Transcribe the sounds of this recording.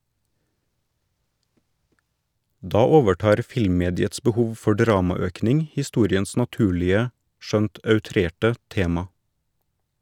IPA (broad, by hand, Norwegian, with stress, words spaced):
ˈdɑː ˈoːʋəˌʈɑːɾ ˈfɪlmˌmeːdɪəts bəˈhuːʋ ˈfɔ ˈɖɾɑːmɑˌøːknɪŋ hɪˈstuːɾɪəns nɑˈtʉːlɪə ˈʃœnt œʉˈtɾeːʈə ˈteːmɑ